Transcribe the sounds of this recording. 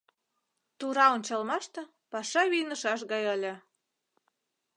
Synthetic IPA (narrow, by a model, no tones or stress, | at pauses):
t̪uɾɑonʲt͡ɕɑlmɑʃt̪ɤ̆ | pɑʃɑβijnəʃɑʃ̬ɣɑjəlʲĕ